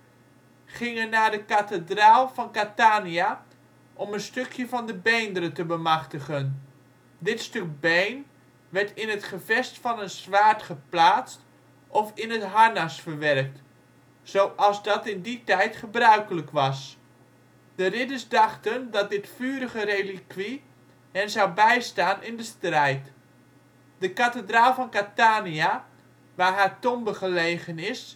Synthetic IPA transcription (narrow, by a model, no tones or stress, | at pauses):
χɪŋənaːdəkatədraːlˠfɑnkataːnia | ʔɔmənstøkʰjəvɑndəbejndəɾətəbəmɑχtəχən | dɪtstøk̚bejn | ʋɛɹtɪnɦətχəvɛstfɑnənzʋaːɹtχəplaːt͡st | ʔɔfɪnətɦaɹnasfəɹʋɛrk̚t | sowʔɑlˠzdɑtɪnditɛjtχəbrœɥkələkʋɑs | d̥ərɪdəɹsdɑχtəndɑt̚dɪtfyːɾəɣərejlikʋi | hənzawbɛjstaːnʔɪndəstrɛjt | dəkatədraːlˠfɑnkataːnia | ʋaːɦaːtɔmbəχəlejχənɪs